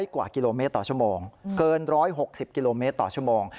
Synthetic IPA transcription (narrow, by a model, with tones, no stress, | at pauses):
jkwaː˨˩ki˧loː˧meː˦˥t̪ːɔː˨˩t͡ɕʰu˥˩əmoː˧ŋkɤː˧nɾɔː˦˥jɦo˨˩k̚si˨˩p̚ki˧loː˧meː˦˥t̪ːɔ̰ː˨˩t͡ɕʰu˥˩ə˩moː˧ŋ